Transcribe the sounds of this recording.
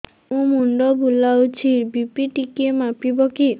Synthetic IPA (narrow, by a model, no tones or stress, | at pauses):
ũmuɳɖɔbʱulawt͡ɕʰibipiʈikemapibɔki